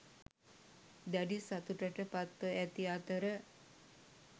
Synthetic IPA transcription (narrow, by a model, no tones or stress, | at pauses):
d̪æɖisat̪uʈəʈəpat̪ʋəʔæt̪iaːt̪əɾə